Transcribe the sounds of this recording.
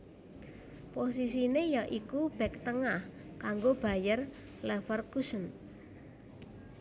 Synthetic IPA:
posis̬inejaʔikub̥ɛ̤k̚t̪əŋah | kaŋɡob̥a̤jər | lɛfərkusən

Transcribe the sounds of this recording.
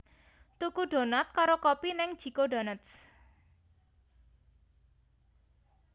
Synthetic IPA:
t̪ukuɖ̥o̤nɔt̪̚kaɾokɔpinɪŋd̥ʒ̥i̤koɖa̤nət̪s

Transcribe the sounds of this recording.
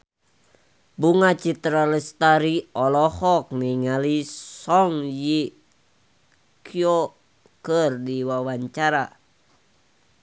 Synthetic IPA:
buŋat͡ʃit̪ɾalɛst̪aɾiɔlɔhɔk̚niŋalisɔŋji | kʰjo | kərdiwawaɲt͡ʃaɾa

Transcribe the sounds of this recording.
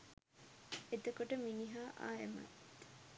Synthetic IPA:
ed̪okoʈəminiɦaːʔa̰ːemɐ̰t̪

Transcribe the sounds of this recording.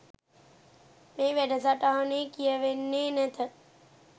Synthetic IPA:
meːʋɛɖəsaʈaɦəneːkijəʋenːeːnɛt̪ə

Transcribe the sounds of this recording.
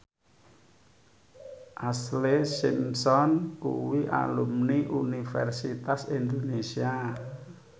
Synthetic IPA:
ʔaslesimsɔnkṵwiʔa̰lumniʔunifɛrsit̪asind̪onesia

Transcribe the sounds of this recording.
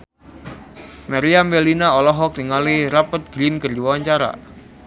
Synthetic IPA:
maɾiambelinaɔlɔɦɔk̚t̪iŋaliɾapət̪̚ɡ̥ɾinkərdiwwaɲt͡ʃaɾa̰

